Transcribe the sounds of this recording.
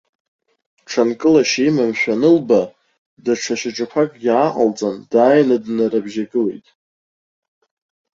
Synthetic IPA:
ʈ͡ʂʰankʼɨlaʃijmamʃᶣanɨlba | daʈ͡ʂʰaʃɪʈ͡ʂʼakʷʰakʼɡʲaːqʼa̰lt͡sʼandaːjnadnaɾabʒaɡɨlḛjtʼ

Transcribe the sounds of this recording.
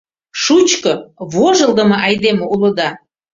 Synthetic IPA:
ʃut͡ɕkɤβoʒəlˠd̪ə̆mɤ̆ʔɑjd̪emoulə̆d̪ɑ

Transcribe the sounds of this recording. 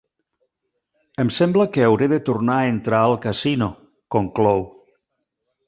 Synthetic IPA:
əmsembləkeawɾeðet̪uɾnaent̪ɾaːlˠkasino | koŋklow

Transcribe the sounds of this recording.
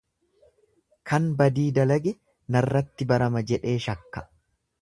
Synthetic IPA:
kʰɐnbɐd̪iːd̪ɐlɐɡɛ | nɐrːɐt̪ːɪbɐɾɐmɐd͡ʒɛᶑe̞ːʃɐkːɐ̥

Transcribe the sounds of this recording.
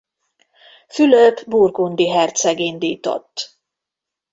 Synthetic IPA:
fyløpburɡund̪iɦɛrt̪sɛɡind̪iːt̪o̰t̪ː

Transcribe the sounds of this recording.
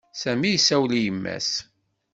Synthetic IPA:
sæmijsæwlijəmːæ̰s

